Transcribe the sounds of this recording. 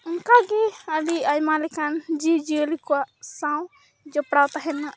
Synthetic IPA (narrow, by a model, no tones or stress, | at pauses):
ŋkaɡɛəliajmalɛkand͡ʒid͡ʒiəlikɔwaʔsãw̃ | d͡ʒɔpɽawt̪aɦɛnaʔ